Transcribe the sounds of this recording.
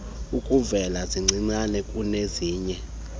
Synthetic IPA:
ukʼuvɛlaziŋ͡ǀʱiŋ͡ǀanɛkʼuneziːɲɛ

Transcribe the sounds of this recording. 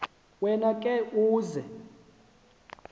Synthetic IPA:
wɛnakʼɛuːzɛ̰

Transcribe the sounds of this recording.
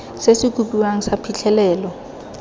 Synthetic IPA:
sesɪkupʼiwaŋ̩sapʰit͡ɬʰɛlɛːlɔ

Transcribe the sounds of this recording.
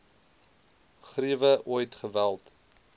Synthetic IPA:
χriəvəʔujtχəvælˠt

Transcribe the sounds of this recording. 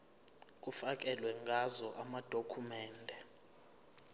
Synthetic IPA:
k̬ʼufak̬ʼɛlwɛŋɡʱazɔʔamad̥ʱokʰumɛːndʱɛ

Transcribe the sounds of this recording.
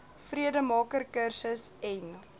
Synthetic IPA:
friədəmɑːkərkərsəsɛn

